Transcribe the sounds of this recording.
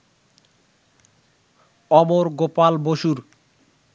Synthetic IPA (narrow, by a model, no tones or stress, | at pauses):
ɔmoɾɡopalboʃuɾ